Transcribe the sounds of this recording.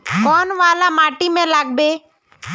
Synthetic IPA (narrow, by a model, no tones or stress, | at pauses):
koːnʋaːlamaːʈimẽlaːɡ̚beː